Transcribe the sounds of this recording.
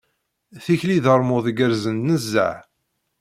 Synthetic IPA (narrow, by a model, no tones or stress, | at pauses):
θiçliðəɾˤmʊðɡəɾzənːəzːə̰ʕ